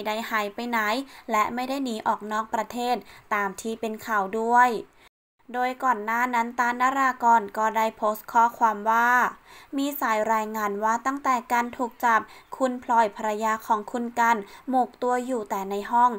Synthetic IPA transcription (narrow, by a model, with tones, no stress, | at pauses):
da˥˩jhaː˨˩˦jpa˧jna˨˦jlɛ˦˥ʔma˥˩jda˥˩jniː˨˦˥ʔɔː˨˩k̚nɔː˥˩k̚pɾa˧t̪ʰeː˥˩t̪̚ːaː˨˧mt̪ʰiː˧˥˩pe˧nkʰa˨˩wdu˥˩əj | doː˧jkɔː˨˩nːaː˥˩na˦˥nt̪aː˧nːaː˧˥ɾaː˧kɔː˧˩nkɔː˥˩da˥˩jpʰoː˦˥st̪̚kʰɔː˥˩kʰwaː˧mwaː˥˩miː˧saː˩˦jɾaː˧jŋaː˧nwaː˥˩t̪a˥˩ŋt̪ɛː˨˩ka˧nt̪ʰuː˨˩k̚t͡ɕa˨˩p̚kʰu˧npʰlɔː˨˩jpʰa˧ɾa˧jaː˧kʰɔː˩˦ŋkʰu˧nka˧nmuː˨˩k̚t̪u˧ɐjuː˨˩t̪ɛː˨˩na˧jɦɔ˥˩ŋ